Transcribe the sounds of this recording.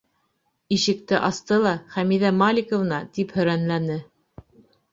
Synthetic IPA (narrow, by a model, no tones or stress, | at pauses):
iʃɘ̆k̚t̪ɘʔɑst̪ɤlˠɑχæmiðæmɑlʲikŏv̆nɑt̪iphɵ̆ɾænlænɘ